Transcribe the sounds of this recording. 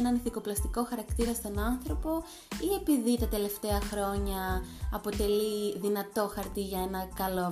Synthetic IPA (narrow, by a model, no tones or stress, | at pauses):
enɐniθiko̞plɐst̪iko̞xɐɾɐkt̪iɾɐst̪o̞nɐnθɾo̞po̞ | ie̞piðit̪ɐt̪e̞le̞ft̪e̞ɐxɾo̞ɲɐːpo̞t̪e̞liðinɐt̪o̞xɐɾt̪iʝɐe̞nɐkɐlo